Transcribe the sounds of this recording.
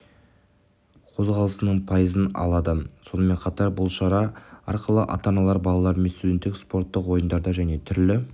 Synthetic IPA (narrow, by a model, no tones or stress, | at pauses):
qʰo̞zʁɑlˠəsənəɴpʰɑjəzənɑ̰lˠɑd̪əso̞nəme̞ɴqʰɑt̪ɑɾbʊlˠʃɑɾɑɑ̰ɾqəlˠəʔɑ̰t̪ɑnɑlˠɑɾbɑlˠɑlˠɑɾme̞nst̪ud̪ʲe̞nt̪ːɪkspo̞ɾt̪ːəqwo̞jənd̪ɑɾd̪ɑʒæne̞t̪ʰʏɾlɪ